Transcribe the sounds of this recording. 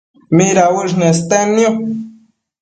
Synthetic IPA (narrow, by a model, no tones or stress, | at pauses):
miɾawiʃnest̪enjo